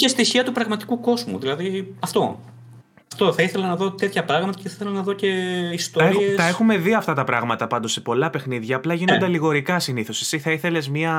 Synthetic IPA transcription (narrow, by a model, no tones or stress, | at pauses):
cest̪içiɐt̪upɾɐɣmɐt̪i̥kuko̞zmṵðilɐðiɐft̪o̞̰ | ɐft̪o̞θɐiθe̞lɐnɐðo̞t̪et̪çɐpɾɐɣmɐt̪ɐceθɐiθelɐnɐðo̞ce̞ist̪oɾiest̪ɐe̞xume̞ðiɐft̪ɐt̪ɐpɾɐɣmɐt̪ɐpɐnd̪o̞se̞po̞lɐpe̞xniðʝɐːplɐʝinond̪eliɣo̞ɾikɐsiniθosesiθɐiθe̞le̞zmɲɐ